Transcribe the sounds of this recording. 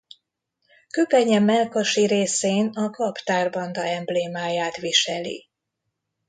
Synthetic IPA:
køpɛɲɛmɛlkoʃiɾeːseːnɒkɒpt̪aːrbɒnd̪ɒɛmbleːmaːjaːt̪ʋiʃɛlḭ

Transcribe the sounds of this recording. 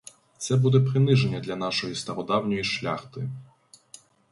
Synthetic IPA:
t̪sɛbud̪ɛpɾɪnɪʒenʲːɐd̪lʲɐnɑʃɔjist̪ɐɾɔd̪ɑwnʲɔjiʃlʲa̰xt̪ɪ

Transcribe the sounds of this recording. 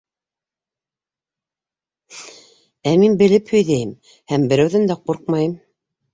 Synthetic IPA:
æminbɘ̆lɘphɵ̆jðæjɘm | hæmbɘ̆ɾæwðɘnd̪æquɾq̚mɑjɤm

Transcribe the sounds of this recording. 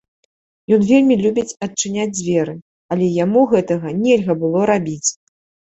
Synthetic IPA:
jɔnvʲelʲmʲilʲubʲit͡sʲɐt͡ʂːɨnʲad͡zʲzʲvʲɛɾɨ | ɐlʲɛjamuɣɛt̪ɐɣɐnʲɛlʲɣɐbɨlˠɔɾabʲit͡sʲ

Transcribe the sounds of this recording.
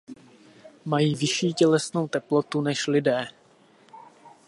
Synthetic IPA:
majiːvɪʃiːcɛlɛsno̞wt̪ɛplo̞t̪unɛʃlɪdɛː

